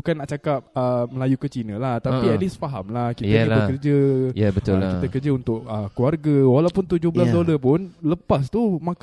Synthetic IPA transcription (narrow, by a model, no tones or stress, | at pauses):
bukanːaʔt͡ʃakap̚əməlajukət͡ʃinə̃laht̪apiɛlisfaɦamlahkij̪akləkərd͡ʒəjabət̪ʊlkit̪əkərd͡ʒəunt̪ʊʔəkluarɡawalawpʊnt̪ud͡ʒʊɦbəlasdoləpʊnləpast̪umãk